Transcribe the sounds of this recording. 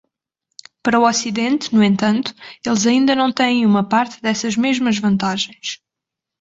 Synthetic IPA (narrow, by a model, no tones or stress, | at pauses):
pɐɾɐuɔsiðẽnt̪nuẽnt̪ɐ̃nt̪u̥elˠzɐĩnd̪ɐnɐ̃w̃t̪ɛ̃j̃j̃umɐpaɾt̪ɨðɛsɐʒmeʒmɐʒvɐ̃nt̪aʒẽj̃ʃ